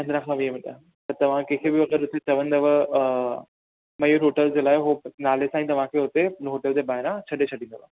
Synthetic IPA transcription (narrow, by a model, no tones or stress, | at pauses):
ɐ̃nd̪ɾãkʰãʋiəmɪɗa | t̪ɐɾt̪ɐʋ̤ãkẽːkʰebɪʋɐɡəɾʊt̪et͡ɕɐʋə̃nd̪ɐʋə | mɐjoɾoːʈəld͡ʑeːlaːɪɦonaːlesãĩt̪ɐʋ̤ãkʰeʊt̪enɦoːʈəld͡ʑ̪ebaːɦɪɾãt͡ɕʰɐɗet͡ɕʰɐɽĩnd̪oʋa